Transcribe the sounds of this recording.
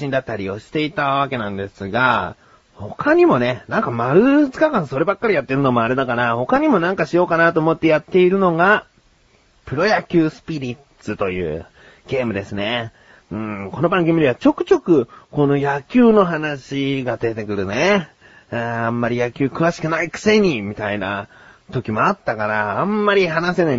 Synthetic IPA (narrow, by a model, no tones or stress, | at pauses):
ĩnd̪at̪ːaɾʲio̞ɕi̥t̪e̞it̪aβ̞ake̞nãnd̪e̞sɨɡa | ho̞kʰaɲ̟imo̞ne̞nãŋkamaɾɯ̟t͡sɨ̥kakãɰ̃so̞ɾe̞bakːaɾʲijat̪ːe̞ɾɯ̟no̞mo̞aɾe̞d̪akaɾaho̞kaɲ̟imo̞nãŋkaɕijo̞ːkanat̪o̞ːmo̞t̪ːe̞jat̪ːe̞iɾɯ̟no̞ɡa | pɯ̟ɾo̞jakʲɨːsɨ̥pʲiɾʲi | t͡sɨt̪o̞jɯ̟̰ː | ɡ̥e̞ːmɯ̟d̪e̞sɨne̞ | ɯ̟̃ːko̞no̞bãŋɡɯ̟mʲid̪ʲeβat͡ɕo̞kɯ̟̥t͡ɕo̞kɯ̟ko̞no̞jakʲɨːno̞ɦanaɕiɡad̪e̞t̪e̞kɯ̟ɾɯ̟ne | ãmːaɾʲijakʲɨːkɯ̟βaɕi̥kɯ̟naikɯ̥se̞ɲ̟imʲit̪aina̰ | t̪o̞kʲimo̞at̪ːakaɾãːmːaɾʲiɦanase̞na